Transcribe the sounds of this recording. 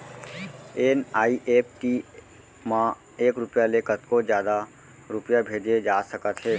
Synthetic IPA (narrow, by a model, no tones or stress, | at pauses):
eːnaːiʔeːp̚ʰʈi | mã | eːkɾʊpjalekət̪kod͡ʒjaːd̪a | ɾʊpjabʱeːd͡ʒed͡ʒaːsəkət̪ɦɛː